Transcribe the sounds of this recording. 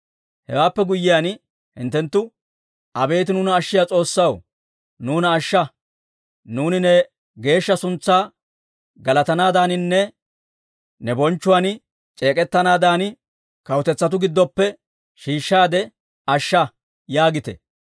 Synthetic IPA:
hɛ̰waːpːɛɡʊjːɪjan | hɪ̰nt̪ːɛnt̪ːʊ | ɐbe̞ːt̪ɪnʊnɐːʃːɪjaːt͡sʼo̞ːsːɐw | nuːnɐːʃːɐ | nuːnɪnɛ | ɡe̞ːʃːɐsʊnt͡sːaː | ɡɐlɐt̪ɐnaːd̪aːnɪnːɛ | nɛbɔnt͡ʃːʊwan | t͡ʃʼe̞ːkʼɛt̪ːɐnaːd̪aːnɪ | kɐwt̪ɛt͡sːɐt̪̬ʊɡɪd̪ːɔpːɛ | ʃiːʃːaːd̪ɛ | ɐʃːɐ | jaːɡɪt̪ɛ̰

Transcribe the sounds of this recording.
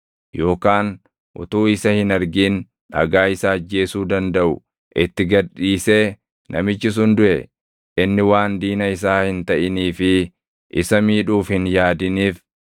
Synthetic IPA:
jo̞ːkaːn | ʔʊ̰t̪uːɪsɐhɪnɐɾɡiːn | ᶑɐ̰ɡaːɪsaːd͡ʒːe̞ːsuːd̪ɐnd̪ɐʔʊ | ʔɪt̪ːɪɡɐᶑiːse̞ː | nʔɐ̰mɪt͡ʃːɪs̬ʊnd̪ʊʔɛ | ʔɪnːɪwaːnd̪iːnɐɪs̬aːhɪnt̪ɐʔɪniːfɪ | ʔɪsɐmiːᶑuːfhɪnjaːd̪ɪniːf

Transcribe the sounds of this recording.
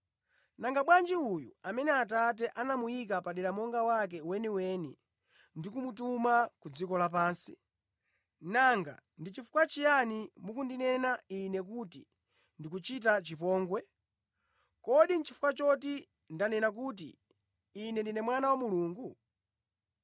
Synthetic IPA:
naŋɡaɓwand͡ʒiujṵamɛnɛatat̬ɛʔanamujik̬apaɗɛɾamɔŋɡawak̬ɛwɛniwɛni | ndikumutumakud͡zikɔlap̬aːnsi | naŋɡa̰ndit͡ʃifu̥kwat͡ʃijanimukundinɛnainɛkutḭ | ndik̬ut͡ʃitat͡ʃipɔːŋɡwɛ | kɔɗin̩t͡ʃifu̥kwat͡ʃɔt̬i | ndanɛnak̬ut̬ḭː | nɛndinɛmwanawamuluːŋɡu

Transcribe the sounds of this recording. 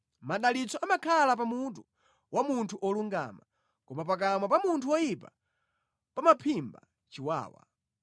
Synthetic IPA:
maɗalit͡sɔamakʰalap̬amut̬u | wʔamuntʰuʔɔluŋɡa̰ma | kɔmap̬ak̬amap̬amuntʰuwɔjipa | pamapʰimba̰ | t͡ʃiwa̰ːwa̰

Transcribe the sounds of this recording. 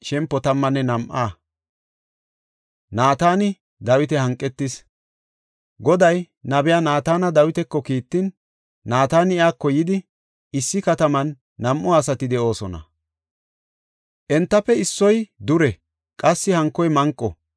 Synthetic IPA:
ʃɛmpːɔt̪ɐmːɐnːɛnɐmʔaː | naːt̪aːnɪ | d̪ɐwɪt̪ɛhɐŋkʼːɛt̪ːɪs | ɡɔd̪ɐj | nɐbɪjanaːt̪aːnɐd̪ɐwɪt̪ɛkːɔkiːt̪ːɪnː | aːt̪aːnɪɪaːkːɔjɪd̪ɪ | ɪsːɪkɐt̪ɐmɐnː | ɐmʔɔɐsɐt̪ɪd̪ɛʔo̞ːsɔnɐ̰ | ʔɛnt̪ːɐpːɛɪsːɔjd̪ʊɾɛ | kʼɐsːɪhɐŋkːɔjmɐŋkʼːɔ̰

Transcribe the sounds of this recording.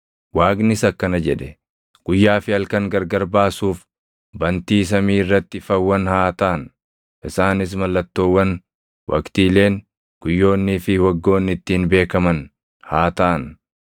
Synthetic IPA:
waːɡnɪsɐkːɐnɐd͡ʒɛᶑɛ | ɡ̥ʊjːaːfɪɐlkɐŋɡɐɾɡɐɾbaːsuːf | bɐnt̪iːs̬ɐmiːɪrːɐt̪ːɪfɐwːɐnhaːt̪aːn | ʔɪsaːnɪs̬mɐlːɐt̪ːoːwːɐn | wʔɐ̰kt̪iːle̞ːŋ | ɡ̥ʊjːo̞ːnːɪːfɪwɐɡːo̞ːnːɪt̪ːiːnbe̞ːkɐmɐn | haːt̪aʔn

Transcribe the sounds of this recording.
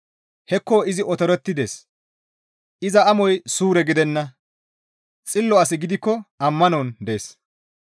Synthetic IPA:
hɛkːoːɪzɪɔt̪ɔɾɛt̪ːɪd̪eːs | ʔɪzɐɐmɔjsuːɾɛɡɪd̪ɛnːɐ | t͡sʼɪlːɔɐs̬ɪɡɪd̪ɪkːɔɐmːɐnɔːnd̪eːs

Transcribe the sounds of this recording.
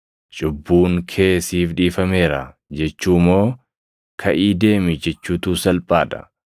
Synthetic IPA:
t͡ʃʼʊbːuːŋkʰe̞ːsiːfᶑiːfɐme̞ːɾɐ̰ | d͡ʒɛt͡ʃːuːmo̞ː | kʰɐʔiːd̪e̞ːmɪd͡ʒɛt͡ʃːuːt̪uːsɐlpʼaːᶑ̪ɐ̥̰

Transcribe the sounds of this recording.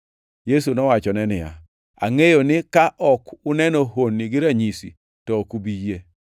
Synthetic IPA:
jes̬unɔwat͡ʃɔnɛnɪja̰ | a̰ŋejonɪkaʔɔkʊnɛnoɦonːɪɡɪɾaɲisḭ | tɔkubije

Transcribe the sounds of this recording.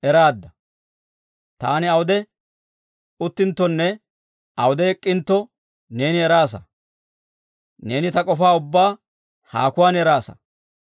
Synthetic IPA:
ʔɛɾaːd̪ːɐ | t̪aːnɪɐwʊd̪ɛ | ʊt̪ːɪnt̪ːɔnːɛ | ɐwʊd̪ɛɛkʼːɪnt̪ːɔ | ne̞ːnɪɛɾaːs̬ɐ | ne̞ːnɪt̪ɐkʼɔfaːʊbːaː | ha̰ːkʊwaːnɛɾaːsɐ̰

